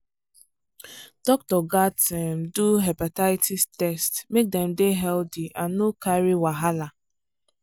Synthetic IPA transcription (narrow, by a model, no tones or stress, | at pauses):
d̥ɔk̚tɔɡatɛm̩duɦapataɪtistɛstmek̚dɛm̩deɦɛldiʔanokaɾiwaɦala